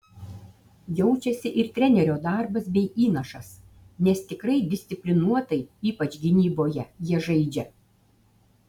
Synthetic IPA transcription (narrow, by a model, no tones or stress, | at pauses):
jɛʊt͡ʃʲɛsʲɪʔɪɾt̪ʲɾʲɛnʲɛɾʲoːd̪ɑˑɾbɐsbʲɛɪʔiːnɐʃɐs | nʲɛst̪ʲɪkɾɐɪd̪ʲɪsʲt̪ʲɪpʲlʲɪnuɔt̪ɐɪiːpɐt͡ʃʲɡʲɪnʲiːboːjɛjiɛʒɐɪd͡ʒʲɛ